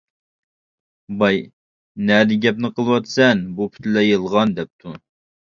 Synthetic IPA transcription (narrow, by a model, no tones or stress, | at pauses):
bɑj | nɛd̪ɪɡʲɛp̚nɨqʰəlˠwɑt̪sɛnbupʰy̥t̪lɛjəlˠʁɑnd̪ɛp̚t̪ʰu